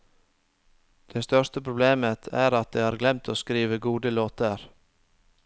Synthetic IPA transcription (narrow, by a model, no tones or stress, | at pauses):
d̪̥eːst̪œʂtəpʰɾʊbleːmət̪ʰæːɾɑt̪̚d̪ɛːhɑːɾɡlɛmt̪ʰoːskɾiːʋəɡuːd̪əloːt̪əɾ